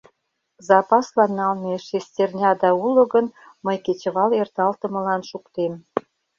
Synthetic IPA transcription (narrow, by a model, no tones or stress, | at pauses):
zɑpɑslɑnːɑlneʃesʲtʲernʲɑd̪ɑulə̆ɡən | məjket͡ɕəβɑlert̪ɑlt̪ə̆mə̆lɑnʃukt̪em